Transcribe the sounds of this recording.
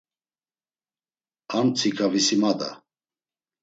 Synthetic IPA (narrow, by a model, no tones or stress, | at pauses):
ant͡sʰikʰavisimad̪a̰